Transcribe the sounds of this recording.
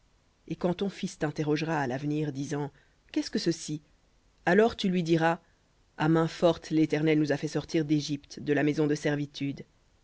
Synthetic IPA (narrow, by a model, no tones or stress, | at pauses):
ekɑ̃t̪ɔ̃fist̪ɛ̃t̪eʁɔʒʁaːlavniːʁd̪izɑ̃ | kʲɛskəsəsi | alɔʁt̪ylɥid̪iʁa | amɛ̃fɔʁt̪let̪ɛʁnɛlnuzafɛsɔʁt̪iʁd̪eʒipt̪d̪əlamɛzɔ̃d̪əsɛʁvit̪ʰyd̪